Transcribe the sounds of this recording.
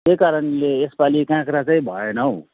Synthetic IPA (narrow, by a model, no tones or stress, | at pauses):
t̪ekaɾʌnleːspalikãkɾat͡saĩbʱʌenʌw